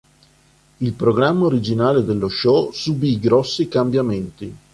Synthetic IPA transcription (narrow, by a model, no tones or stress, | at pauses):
ilpɾoɡɾamːaoɾid͡ʒinaːled̪elːoʃɔsubiɡɾɔsːikambjament̪i